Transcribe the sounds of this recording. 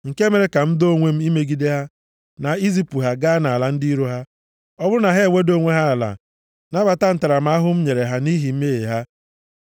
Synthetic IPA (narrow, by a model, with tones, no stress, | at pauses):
ŋ̩˨ke˦me˨ɾe˨ka˨m̩˦do˦ŋʷe˦m̩˦i˦me˦ɡi˦de˦ɦa˦ | na˨i˦zi˦pu˨ɦa˨ɡa˦a˦na˨la˨˦n̩˦di˦ɾo˦ɦa˦ | ɔ˦bʊ˦ɾʊ˦na˨ɦe˦˨wʷe˦do˦ŋʷe˦ɦa˦a˨la̰˨ | na˦ba˨ta˦n̩˦ta˨ɾa˨m̩˨˦a˦ɦʊ˦m̩˦ɲe˨ɾe˨ɦa˦ni˦ɦi˨m̩˦me˦jḛ˨ɦa˦